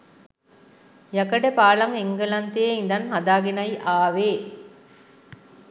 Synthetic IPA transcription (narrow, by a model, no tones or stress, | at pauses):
jɐkɐɖepaːlɐŋeŋɡɐlɐnt̪ijeind̪ɐnɦɐd̪aːɡenɐjʔaːʋeː